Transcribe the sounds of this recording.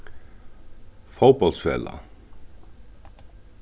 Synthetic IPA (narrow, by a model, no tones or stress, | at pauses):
fowpɔlt̪sfɛ̰ːla̰